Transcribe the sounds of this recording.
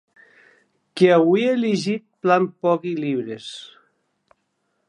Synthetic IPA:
keawieleʒit̪̚plampɔkiliβɾes

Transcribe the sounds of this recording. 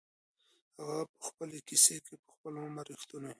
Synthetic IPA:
haɣapə̥xpəlekisekepə̥xpəloamaɾixt̪uno

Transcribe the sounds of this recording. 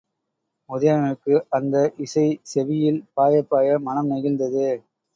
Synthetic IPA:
mʊðɐjɐmɐɯkːɯʔɐnd̪ɐʔɪsɐɪsɛʋɪjɪlpaːjɐpːaːjɐmɐnɐmnɛɣɪnd̪ɐðɯ

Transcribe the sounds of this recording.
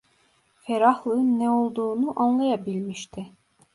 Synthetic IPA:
feɾahlˠɯnːɛo̞lˠd̪uːnuʔanlˠajabilʲmiʃt̪ʰi

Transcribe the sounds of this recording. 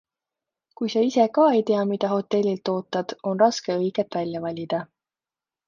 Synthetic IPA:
kujsɑise̞kɑːejt̪e̞ɑmid̪̥ɑɦo̞t̪ːe̞lʲːilt̪ːo̞ːt̪ːˑɑd̪̥o̞nrɑske̞ɤjɡ̥et̪ːˑvælʲjɑvɑlʲid̪̥ɑ

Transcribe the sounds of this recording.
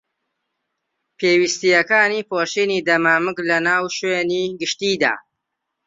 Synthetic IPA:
pʰeːwist̪ijɐkaːniːpoːʃiːniːd̪ɐmaːmɨklɐnaːwʃweːniːɡɨʃt̪iːd̪a̰ː

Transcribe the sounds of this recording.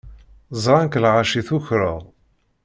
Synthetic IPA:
zˤɾˤɑnklʁaʃiθʊçɾə̰ʁˤ

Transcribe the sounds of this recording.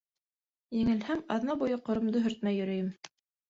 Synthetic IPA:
jɘ̆ŋɘ̆lhæmɑðnɑbujɤqŏɾŏmd̪ɤɦɵ̆ɾt̪̚mæjɵ̆ɾɵ̆jɘm

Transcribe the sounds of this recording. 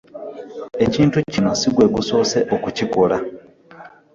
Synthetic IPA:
e̞ciːntucinosiɡwe̞ːɡusoːse̞ʔokucikola

